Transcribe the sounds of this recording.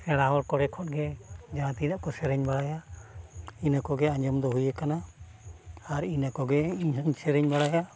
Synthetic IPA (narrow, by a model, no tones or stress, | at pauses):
ɛɽaɔɾkɔɽɛkʰɔɗ̚ɡɛd͡ʒãːt̪idaʔkɔsɛɾɛɲbaɽaja | inakɔɡɛãɲd͡ʒɔmd̪ɔɦujɛkanaː | ɾinakɔɡɛiɲɦɔɲsɛɾɛɲbaɽaja